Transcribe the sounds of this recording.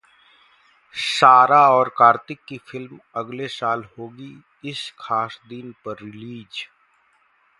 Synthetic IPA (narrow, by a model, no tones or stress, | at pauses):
saːɾaɔːɾkaːɾt̪ɪkːifʰɪlm | ɐɡlesaːlhoːɡi | ɪskʰaːsd̪inpɐɾːɪliːd͡ʒ